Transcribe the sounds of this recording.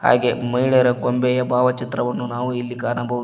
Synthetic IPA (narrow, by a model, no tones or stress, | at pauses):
ha̰ːɡe̞mɐjiɭeɾɐɡombɛjɐbʱaːʋɐt͡ʃit̪ɾɐʋɐnːunaːʋuilːikaːnɐbʱɐʋu